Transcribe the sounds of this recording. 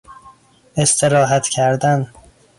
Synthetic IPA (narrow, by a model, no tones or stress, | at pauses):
e̞st̪ʰe̞ɾɒːɦæt̪ʰcʰæɾd̪æn